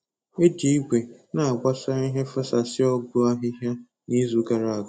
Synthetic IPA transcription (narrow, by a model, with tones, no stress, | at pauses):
e˦d͡ʒi˨i˦ɡʷe˨na˨a˨ɡ͡bʷa˦sa˦i˦ɦe˦fa˦sa˨sɪ˦ɔ˦ɡʊ˦a˦ɦɪ˦ɦja˦ | ni˦zu˨ɡa˨ɾa˨a˨ɡ